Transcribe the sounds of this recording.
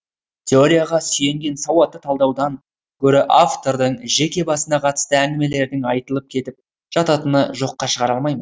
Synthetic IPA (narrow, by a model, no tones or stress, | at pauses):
t̪ʲʰe̞o̞ɾʲijaʁɑsʏje̞ŋɡʲe̞nsɑwɑt̪ːət̪ʰɑlˠd̪ɑwd̪ɑŋ | kʲʰɵɾɪʔaft̪o̞ɾd̪əɴʒe̞kʲe̞bɑsənɑqʰɑt̪ə̥st̪əæŋɡʲɪme̞le̞ɾd̪ɪŋɑjt̪əlˠəp̚kʲʰe̞t̪ɪp̚ | ʒ̥ɑt̪ɑt̪ənəʒo̞qːɑʃəʁɑɾɑlˠmɑjmən